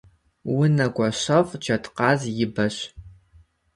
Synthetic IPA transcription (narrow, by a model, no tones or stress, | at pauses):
wʊnɐɡʷʼɔɕɐfd͡ʒɐtʰqɑːzjɪbɐɕ